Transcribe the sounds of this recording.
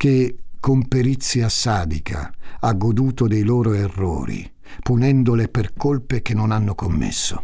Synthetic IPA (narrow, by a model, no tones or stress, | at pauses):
k̟ekːompeɾit̪sːiasaːd̪ikʰa̰aɡːod̪uːt̪od̪ejloːɾoerːo̰ːɾḭ | punɛnd̪oleperkolpek̟enːonanːokomːḛsːo̰